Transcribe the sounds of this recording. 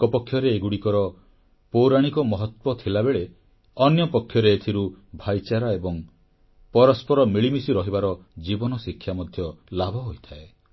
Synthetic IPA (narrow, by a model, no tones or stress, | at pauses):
kɔpɔkʰːjɔɾeːɡuɽikɔɾɔ | powɾaɽ̃ikɔmɔɦɔt̪wɔt̪ʰilabeɭe | ɔnjɔpɔkʰːjɔɾeːt̪ʰiɾubʱajt͡ʃaɾaebɔŋ | pɔɾɔspɔɾɔmiɭimisiɾɔɦibaɾɔd͡ʒibɔnɔsikʰːjamɔd̪ʱjɔlabʱɔɦojt̪ʰae